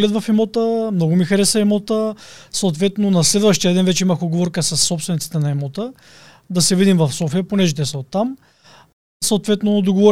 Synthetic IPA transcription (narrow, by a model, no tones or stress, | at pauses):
lɛd̪vɐfɛmɔt̪əmnɔɡʊmixɐɾɛsəɛmot̪əsot̪vɛt̪nonɐslɛd̪vɐʃt̪ijɐd̪ɛnvɛt͡ʃɛimɐxod̪ɡovɔɾkəsɐsːɔpsvɛnit̪it̪ɛnɐɛmot̪ə | d̪ɐsɛvid̪imvɐfsɔfiəponɛʒɛt̪ɛsɛot̪ːam | sot̪vɛt̪nod̪oɡovɔɾ